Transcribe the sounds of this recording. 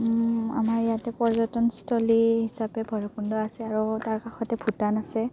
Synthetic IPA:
a̰maɹijatɛpɔɹzɔtɔnstʰɔliɦisapɛbʱɔɹɔkundɔasɛaɹutaɹkaxɔtɛbʰʱutanasɛ

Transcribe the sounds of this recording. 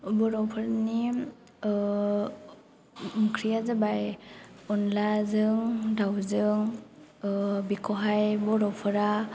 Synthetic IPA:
bɔɾɔpʰɯɾni | mukʰɾijazabajɔnlazɯŋdawzɯŋ | bikʰɔɦajbɔɾɔwpʰɯɾa

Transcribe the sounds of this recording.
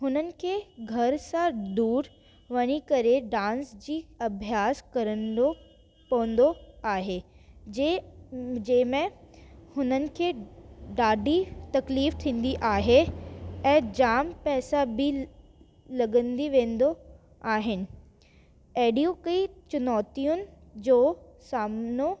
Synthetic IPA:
ɦʊnənɪ̆kʰeːɡʱɐɾsãd̪uːɾ | ʋɐɲ̃ikɐɾeɖãːnsd͡ʑiːɐbʱjaːskɐɾənd̪o | pɐʋə̃n̆d̪oaːɦe | d͡ʑɐ̃ːɦɪ̃mẽhʊnənɪ̆kʰeːɖaːɖʱit̪ɐkliːft̪ʰĩːn̆d̪iʔaːɦeɛ̃ːd͡ʑaːmpɛːsabʱi | lɐɡə̃nd̪iʋẽːnd̪o | aːɦɪnɪ̆ | ɛːɖiokəit͡ɕʊnɔːt̪ijʊnɪ̆d͡ʑoː | saːmno

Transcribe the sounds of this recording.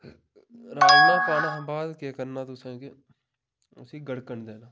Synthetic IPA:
ɾaːd͡ʒnãːpaːnaːbaːd̪kaːkəɾnaːt̪ʊsẽkɪ | ʊ̰siːɡəɽkəɳd̪eːnaː

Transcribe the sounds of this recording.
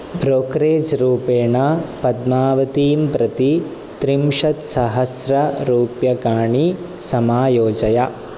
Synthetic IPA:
bɾoːkɾeːd͡ʒɾuːpeːɳapɐd̪maːʋɐt̪iːmpɾɐt̪i | t̪ɾimʂɐt̪sɐɦɐsɾɐɾuːpjɐkaːɳi | sɐmaːjoːd͡ʒɐjɐ

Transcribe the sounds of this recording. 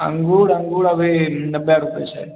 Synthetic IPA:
ə̰ŋɡuɭəŋɡuɭəʋenəbjaɾupjḛt͡ʃʰḛ

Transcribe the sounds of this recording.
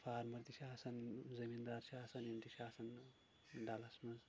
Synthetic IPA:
pʰaːɾmɐɾt̪iʃaːsɐnzɐmind̪aːɾsaːsɐnjent̪iʃaːsɐn | ɖalɐsmɐz

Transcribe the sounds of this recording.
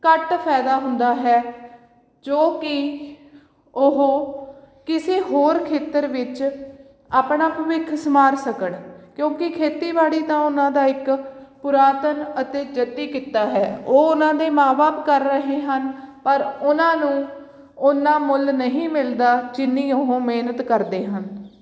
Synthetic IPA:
kəʈpʰɛːd̪aːɦʊnd̪aːɦɛː | d͡ʒoːkɪ | ʊɦoː | kɪseːɦoːɾkʰeːt̪əɾʋɪt͡ʃ | aːpɳaːpʊʋɪkʰsəmaːɾsəkəɳkjõːkɪkʰeːt̪iːbaːɽiːt̪ãːʊnãːd̪aːɪkpʊɾaːt̪ənət̪eːd͡ʒət̪ːiːkɪt̪ːaːɦɛːoːʊnãːd̪eːmãːbaːpkəɾːəɦeːɦənpəɾʊnãːnũː | ʊnːãːmʊlnəɦĩːmɪld̪aːd͡ʒɪnːĩːʊɦõːmeːnət̪kəɾd̪eːɦən

